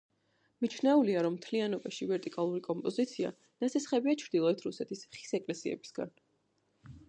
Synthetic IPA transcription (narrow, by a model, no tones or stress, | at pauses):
mit͡ʃʰnɛuliaɾɔmːt̪ʰlianɔbaʃivɛɾt̪ʼikʼalˠuɾikʼɔmpʼɔzit̪sʰia̰ | nat̪sʰɛsχɛbiat͡ʃʰɾd̪ilˠɔɛt̪ʰɾusɛt̪ʰisχi̥sɛkʼlɛsiɛ̰bi̥sɡa̰n